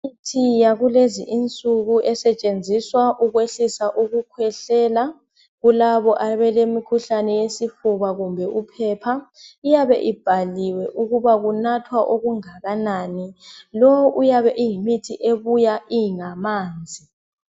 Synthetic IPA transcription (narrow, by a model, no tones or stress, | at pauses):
mitʰijaɣuleziʔint͡sʼuɣuʔɛsɛt͡ʃʼend͡zʱiswaʔuɣweɬisaʔuɣukʰwɛɬɛːla | ɣulaβɔʔaβɛlemikʰuɬanɛjesifuβaɣumbʱɛʔupʰɛːpʰaijaβɛ̰ʔib̥ʱaliwɛʔuɣuβaɣunatʰwaʔoɣuŋaɣanaːnilɔʔujaβɛʔijimitʰiʔeβujaʔiŋamaːnd͡zʱi